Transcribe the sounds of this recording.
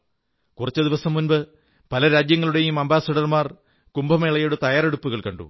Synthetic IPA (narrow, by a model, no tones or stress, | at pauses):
kurɐt͡ɕːɨd̪iʋɐsɐmːunbɨ | pɐlɐɾaːd͡ʑjɐŋːɐɭuɽe̞jumɐmbaːsɐɽɐrmaːr | kumbɐmeːɭɐjoɽut̪ɐjaːɾe̞ɽupːuɣɐɭkɐɳɖṵ